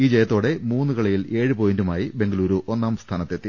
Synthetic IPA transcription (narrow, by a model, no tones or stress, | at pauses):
iːd͡ʑejɐt̪ːo̞ːɽe̞muːnːɨkɐɭɐjile̞ːɻɨpoːjindumaːjibe̞ŋɡɐluːɾuʔo̞nːaːmst̪ʰaːnɐt̪ːet̪ːi